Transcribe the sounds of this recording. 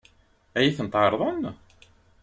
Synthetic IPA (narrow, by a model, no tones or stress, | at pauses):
æjiθənt̪ʕɑɾˤðˤɑn